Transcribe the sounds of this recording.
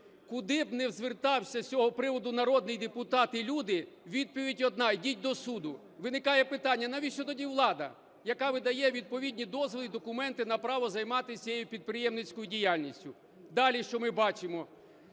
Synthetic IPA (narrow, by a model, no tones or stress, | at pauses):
kʊd̪ɪbnɛwzʲʋɪrt̪ɑwsʲɐsʲɔɦɔpɾɪʋɔd̪ʊnɐɾɔd̪nɪjd̪epʊt̪ɑt̪ɪlʲud̪ɪ | ʋʲid̪̚pɔʋʲitʲɔd̪̚nɑjdʲit̚ʲd̪ɔsud̪ʊ | ʋɪnɪkɑjɛpɪt̪ɑnʲːɐnɑʋʲitʃt͡ʃɔt̪ɔdʲiʋlˠɑd̪ɐ̰ | jɐkɑʋɪd̪ɐjɛʋʲid̪̚pɔʋʲid̪ʲnʲid̪ɔzʋɔlˠid̪ɔkʊmɛnt̪ɪnɐpɾɑʋɔzɐjmɑt̪ɪsʲjejupʲid̪̚pɾɪjɛmnɪt͡sʲkɔjʊdʲijalʲnʲisʲtʲʊ | d̪ɑlʲiʃt͡ʃɔmɪbɑt͡ʃɪmɔ